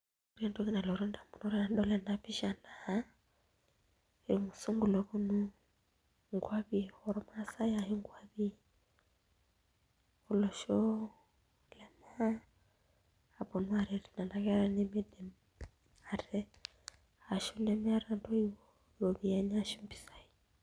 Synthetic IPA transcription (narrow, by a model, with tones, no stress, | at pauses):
o˦ɾia˨ndo˦ki˦na˨lɔ˨ɾo˦nda˨mbu˨nɔ˦ɾa˨nɗɔ˦lɛ˨na˦pi˦ʃa˨na˨a˦ | e˨i˨mu˨su˦ŋɡu˨lɔ˨kɔ˦nu˦ | ŋɡwa˦βi˦ɔ˨ɾɔ˦ma˦sa˦ja˨ɦi˦ŋɡwa˦βi˦ | o˨lɔ˨ʃɔ˦ | lɛ˨m˦a˦˨ | bɔ˨nu˦a˨ɾɛ˨ɾi˨na˨nda˨kɛ˦a˦ɾa˦nɛ˦mɛ˦dɛ˨m | a˨ɾɛ˦ | a˨ʃu˦nɛ˦mɛ˦a˦ɾa˨ndɔ˦i˦wɔ˦ | ɔ˨βi˨a˨ɲa˦ʃu˦mbi̥˨sa˦i